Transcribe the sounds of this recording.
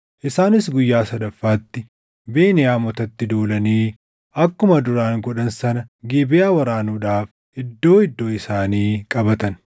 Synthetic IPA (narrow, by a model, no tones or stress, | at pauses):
ʔɪsaːnɪsɡʊjːaːsɐd̪ɐfːaːt̪ːɪ | beːnɪjaːmɔt̪ɐt̪ːɪd̪oːlɐniː | ɐkːʊmɐd̪ʊɾaːŋɡɔᶑɐnsɐnɐɡeːbɪjaːwɐɾaːnuːᶑaːf | ɪd̪ːo̞ːɪd̪ːo̞ːɪsaːniːkʼɐbɐt̪ɐn